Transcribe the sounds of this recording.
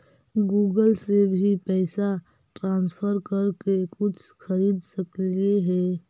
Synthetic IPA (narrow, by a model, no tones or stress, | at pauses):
ɡuːɡəlsebʱipɛːsa | ʈɾãnspʰəɾkəɾkekʊt͡ʃʰkʰəɾiːd̪səklieɦɛ